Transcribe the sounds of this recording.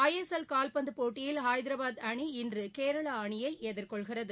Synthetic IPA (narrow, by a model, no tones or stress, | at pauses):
ɐjesɐlkaːlpɐnd̪ɯpoːʈːɪjɪlhaːjd̪ɪɾɐbaːd̪ɐɳiɪndrɯkeːɾɐɭɐːɳɪjɐɪʔɛðɪɾkɔɭɣɪrɐðɯ